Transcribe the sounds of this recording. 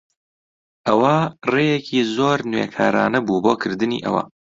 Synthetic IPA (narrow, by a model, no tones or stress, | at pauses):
ʔɐwɐrejecʰiːzoːɾnwḛkʰaːɾaːnɐbuboːkʰɨɾd̪ɨnḭːʔɐ̰wɐ̰